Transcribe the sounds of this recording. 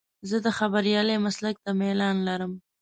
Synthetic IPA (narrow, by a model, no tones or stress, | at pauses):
zəd̪əxabaɾjɑlemaslak̚t̪amelɑnlaɾəm